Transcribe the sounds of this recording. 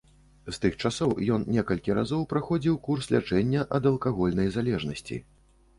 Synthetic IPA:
st̪ɨxt͡ʂasɔwjɔnnʲɛkɐlʲkʲiɾa̰zɔwpɾaxɔd͡zʲiwkurslʲa̰t͡ʂɛnʲːɐʔɐd̪ɐlˠkaɣɔlʲnɐjzalʲɛʐnɐsʲt͡sʲḭ

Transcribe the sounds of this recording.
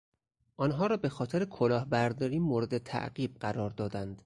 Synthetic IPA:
ʔɒːnɦɒːɾɒːbe̞xɒːt̪ʰeɾekʰolɒːhbæɾd̪ɒːɾiːmoːɾe̞d̪et̪ʰæ̰ʔɢiːb̚ɢæɾɒːɾd̪ɒːd̪ænd̪̥

